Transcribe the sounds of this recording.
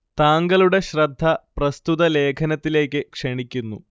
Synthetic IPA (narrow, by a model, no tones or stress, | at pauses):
t̪aːŋɡɐluɽe̞ɕrɐd̪ʱːɐprɐst̪ut̪ɐle̞ːkʰɐnɐt̪ːile̞ːkːɨkʂeɳikʲːunːṵ